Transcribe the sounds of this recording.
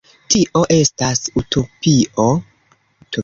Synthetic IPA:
tiʔo̞ʔe̞stasutʰo̞pio̞ | to

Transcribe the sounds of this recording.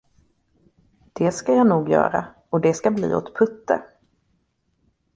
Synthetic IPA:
d̪̥ɛskajɑːnuːɡjœ̰ːɾa̰ | ɔd̪ɛskablḭːɔ̰t̪pʰɵt̪ːə̰

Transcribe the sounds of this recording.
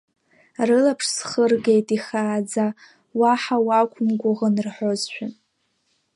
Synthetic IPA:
rɨlapʰʂsχərɡejtʼiχaːd͡za | waħawakʷʰʊmɡʷʊʁənrħozʃʷᶣan

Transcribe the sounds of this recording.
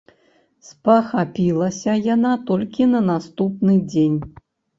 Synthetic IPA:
spɐxapʲilˠɐsʲɐjanat̪ɔlʲkʲinɐnast̪upnɨd͡zʲenʲ

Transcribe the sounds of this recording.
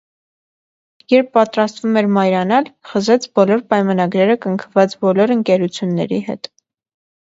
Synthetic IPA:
jɛɾpʰːɑt̪ɾɑst̪vumɛɾmɑjɾɑnɑlχəzɛt͡sʰbɔlɔɾpɑjmɑnɑɡɾɛɾəkəŋkʰəvɑt͡sbɔlɔɾəŋkɛɾut͡sʰjunːɛ̰ɾiɦɛ̰t̪

